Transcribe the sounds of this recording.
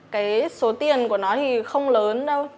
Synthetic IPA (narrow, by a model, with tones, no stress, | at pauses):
kaː˨˦jso˨˦t̪i˨˩ənku˧˩ənɔ˨˦t̪ʰi˨˩xə˧wŋ͡mləː˨˦nɗə˧w